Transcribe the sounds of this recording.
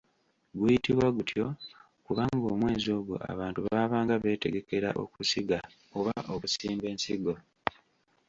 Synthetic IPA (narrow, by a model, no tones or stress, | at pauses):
ɡujitiβwaɡutʰjo̞ | kuβaŋɡo̞ːmwe̞ːzo̞ːɡo̰ʔa̰βaːntuβaβaːŋɡaβe̞ːte̞ɡe̞ke̞ɾaʔo̞̰kusiɡa | oβaʔoβusiːmbe̞ːnsiɡo̞